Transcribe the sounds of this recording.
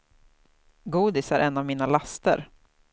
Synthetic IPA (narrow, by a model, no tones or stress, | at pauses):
ɡuːd̪ɪsæɾʔɛnːavmiːnalast̪ə̰ɾ